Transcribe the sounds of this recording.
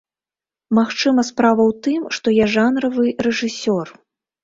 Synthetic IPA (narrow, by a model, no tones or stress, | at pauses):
maxt͡ʂɨmɐspɾavɐwt̪ɨmʂt̪ɔjaʐanɾɐvɨrɛʐɨsʲɔr